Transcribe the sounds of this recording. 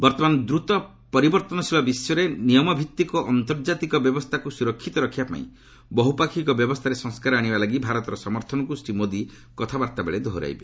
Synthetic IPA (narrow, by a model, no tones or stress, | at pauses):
bɔɾt̪ɔmanɔd̪ɾut̪ɔ | pɔɾibɔɾt̪ɔnɔsʰilɔbisɔɾenijɔmɔbʱit̪ːikɔʔɔnt̪ɔɾd͡ʒat̪ikɔbjɔbɔst̪ʰakusuɾɔkʰːit̪ɔɾɔkʰibapa̰ḭ̃ | bɔɦupakʰikɔbjɔbɔst̪ʰaɾesɔŋskaɾɔaɽ̃ibalaɡibʱaɾɔt̪ɔɾɔsɔmɔɾt̪ʰɔnɔkusʈimod̪i | kɔt̪ʰabaɾt̪abḛɭed̪ʱɔɾa̰jbe